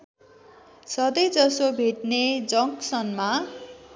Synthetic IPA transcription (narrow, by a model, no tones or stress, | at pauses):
sʌd̪ʌjd͡zʌsobʱeʈned͡zʌŋksʌnma